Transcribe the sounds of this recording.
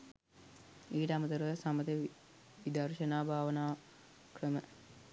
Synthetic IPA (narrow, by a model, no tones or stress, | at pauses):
iːʈəamət̪əɾəʋəsamət̪e | ʋid̪ɐɾʃənaːbʱaːʋənaː | krəmə